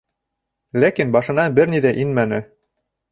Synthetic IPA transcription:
lækinbɑʃɤ̆nɑbɘɾnid̪æʔinmænɘ̆

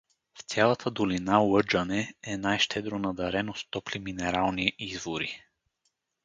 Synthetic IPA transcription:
ft̪ʲjalˠɐt̪ʰəd̪olinawɤd͡ʒənɛɛnajʃt̪ʰɛd̪ɾonɐd̪ɐɾɛnost̪ɔpliminɛɾalˠniizvoɾi

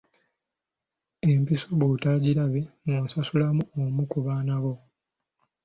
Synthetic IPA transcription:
e̞mpiso̞βutaɟilaβe̞nonsasulamuomukuβaːnaβo̞

